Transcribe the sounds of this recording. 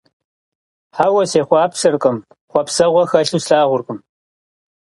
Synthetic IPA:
ħaːwɐseːχʷɑːpʂɐrqʼɐm | χʷɔpsɐʁʷɔxɐɬuːsɬaːʁʷʊrkʼɨm

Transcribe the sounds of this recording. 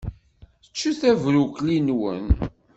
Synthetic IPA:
θə̥t͡ʃːuθævɾuklinwə̰n

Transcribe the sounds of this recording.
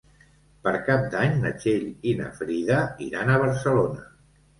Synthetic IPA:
pəɾkap̚d̪aɲnə̰t͡ʃeʎinə̰fɾiðəḭɾanəβ̞əɾsəlonə

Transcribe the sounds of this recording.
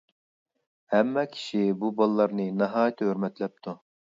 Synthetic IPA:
hɛmːɛkʲʰi̥ʃibubɑlˠlːˠɑɾnɨnɨɦɑːjt̪ʰɦøɾmɛt̪lɛp̚t̪ʰu

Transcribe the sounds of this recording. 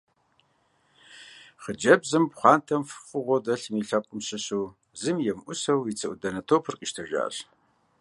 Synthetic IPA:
χəd͡ʒɐbzɨmpχʷɑːntʰɐmfɨ̥fʼɨʁʷɔdɐɬmiɬɐqʷʼʊmɕɪɕuː | zɨmjɛmʔʷʊsɐwit͡sʰɨʔʷudɐnɐtʰoːpʰɨrqʼiʃtʰɐʒa̰ːɬ

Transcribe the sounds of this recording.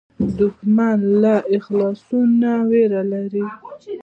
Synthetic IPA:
d̪ʊkmanlaʔɪxlɑsunaweɾalaɾi

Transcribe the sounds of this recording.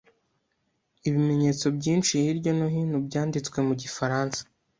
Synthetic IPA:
iβime̞ɲe̞ːt͡so̞bɟiːnt͡ʃihiɾɟo̞noɦinubɟaːndit͡skwe̞muɟifaɾaːnsḁ

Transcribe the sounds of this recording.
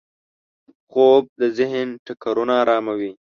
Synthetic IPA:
xoːb̚d̪əzɪɦənʈakaɾunaːɾɑːmawi

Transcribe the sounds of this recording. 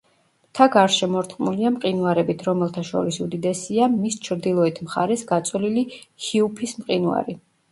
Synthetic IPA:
t̪ʰaɡaɾʃɛmɔɾt̪ʼχqʼmuliamqʼinuaɾɛbit̪ʰɾɔmɛlˠt̪ʰaʃɔ̰ɾisud̪id̪ɛsiamist͡ʃʰɾd̪ilˠɔɛt̪ʰmχa̰ɾɛsɡat̪sʼwlilihiupʰismqʼinwa̰ɾi

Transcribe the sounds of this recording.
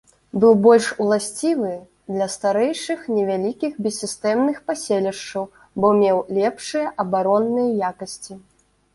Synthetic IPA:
bɨwbɔlʲʂwlˠasʲt͡sʲivɨ | d̪lʲɐst̪aɾɛjʂɨxnʲɛvʲalʲikʲixbʲɛsʲːist̪ɛmnɨxpasʲelʲɛʂt͡ʂɐw | bɔmʲɛwlʲɛpʂɨjɐʔɐbaɾɔnːɨjɐjakɐsʲt͡sʲi

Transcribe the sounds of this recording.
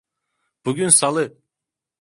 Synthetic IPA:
b̥uɡʲynsalˠɯ

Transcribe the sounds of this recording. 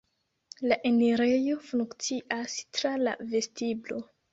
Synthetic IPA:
laʔeneɾejo̞fuŋkt͡siʔastɾala̰ve̞stiblo̞̰

